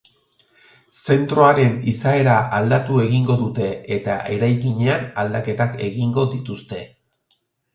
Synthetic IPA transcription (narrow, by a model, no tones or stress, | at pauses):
se̞nt̪ɾo̞aɾe̞nisae̞ɾaald̪at̪ue̞ɣiŋɡo̞ðut̪e̞ːt̪aʔe̞ɾajkiɲe̞anald̪ake̞t̪ake̞ɣiŋɡo̞ðit̪ust̪e̞